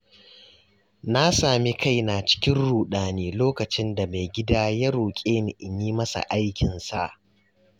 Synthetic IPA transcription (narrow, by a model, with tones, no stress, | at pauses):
na˦saː˨mi˦ka˦˨jna˨t͡ʃɪ̥˦kʲɪ˦nɽuː˨ɗaː˨neː˦loː˦kɐ˨t͡ʃɪ˦nda˨me˨ɡʲɪ˦daː˦jaː˦ɾuː˨kʲʼeː˦n˨ʔɪ˨ɲiː˦mɐ˦sa̰˨ʔa˦jkʲɪ˨nsa̰˦ʔ